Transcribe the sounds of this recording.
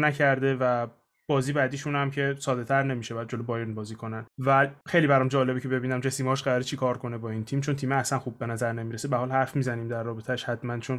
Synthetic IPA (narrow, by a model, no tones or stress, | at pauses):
næcʰæɾd̪e̞væ | b̥ɒːziːbæd̪iːʃunæmcʰe̞sɒːd̪e̞t̪ʰæɾne̞miʃebæd̪̚d͡ʒo̞lobɒːjenbɒːziːkʰo̞nænvæxejlibæɾɒːmd͡ʒɒːle̞becʰe̞be̞biːnæmd͡ʒesiːmɒʃɢæɾɒɾit͡ʃʰikʰɒːɾko̞nebɒːiːnt̪ʰiːmt͡ʃʰo̞nt̪ʰiːmeæsænxuːb̚ːenæzæɾnemiːɾesebæhɒːlhæɾfmiːzæniːmd̪æɾːɒːbet̪ʰæʃhæt̪mænt͡ʃʰon